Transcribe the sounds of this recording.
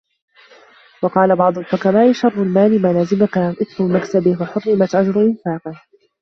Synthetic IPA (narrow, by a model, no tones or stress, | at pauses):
wɑqɑːlabɑʕd̪ˤʊlfʊkabaːʔɪʃɑrˤːʊlmaːlɪmaːnaːzɪmakamʔɪt̪ɾʊbɪmaksabɪhwaħʊrːɪmat̪ʕad͡ʒɾˤʊʔɪnfaːqɪh